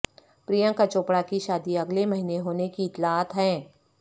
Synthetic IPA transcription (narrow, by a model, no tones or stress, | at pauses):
pɾiːjãkət͡ʃoːpɽakiʃaːd̪iɐɡlemɐɦineɦoːnekiɪt̪laːɦət̪ɦɛ̃ː